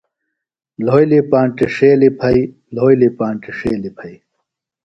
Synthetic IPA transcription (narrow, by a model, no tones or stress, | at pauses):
loːjlipaːɳʈiʂeːlipʰɐj | loːjlipaːɳʈiʂeːlipʰɐi